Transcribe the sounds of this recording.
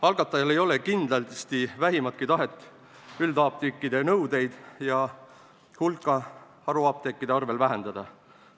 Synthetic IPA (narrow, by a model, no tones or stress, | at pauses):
ɑlɡɑt̪ːˑɑjɑle̞jo̞le̞kind̪lɑlst̪ivæɦimɑt̪̚kit̪ɑɦe̞t̪ːˑ | yld̪ɑːp̚t̪ikːˑid̪e̞nɤwd̪e̞jd̪̥jɑ | hulkˑːɑ | ɑɾuɑːp̚t̪ekˑːid̪eɑrve̞lvæɦe̞nd̪̥ɑd̪̥ɑ